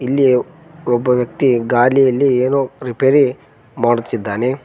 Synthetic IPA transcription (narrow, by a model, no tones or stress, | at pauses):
ilːi | ɔbːɐʋjɐk̚t̪iɡaːlijɐlːieːnoɾipeːɾi | maːɽut̪ːid̪ːaːne